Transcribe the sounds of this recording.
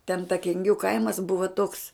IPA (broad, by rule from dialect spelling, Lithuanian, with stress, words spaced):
tʲɛn tɐ kʲɛŋʲˈɡʲuː ˈkɐɪmɐs ˈbʊʋɐ toːks